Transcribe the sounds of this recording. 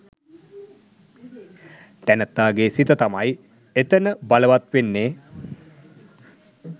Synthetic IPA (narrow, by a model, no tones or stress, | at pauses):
t̪ænət̪ːaːɡeːsit̪ət̪amaj | et̪ənəbaləʋat̪ʋenːeː